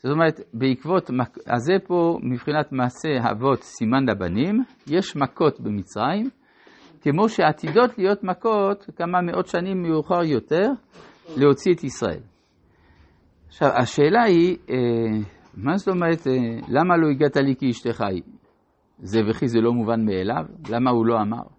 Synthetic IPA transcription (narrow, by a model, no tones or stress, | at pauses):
z̥ot̪omeʁet̪beikvo̞t̪maka̰zepo̞mibχinat̪maːse̞ɦa̰vo̞t̪simanlaba̰nim | jeʃmako̞t̪bemit͡sʁaim | kemo̞ʃeat̪ido̞t̪lijo̞t̪mako̞t̪kamameʔo̞t̪ʃanimːejuχaʁjo̞t̪e̞ʁ | leho̞t͡siet̪isʁae̞̰l | ʃavaʃe̞ːlaie | masto̞meʁet̪elamalo̞iɡat̪alikiiʃt̪eχaj | zeveχizelo̞muvanmeela̰vlamahulo̞ama̰ʁ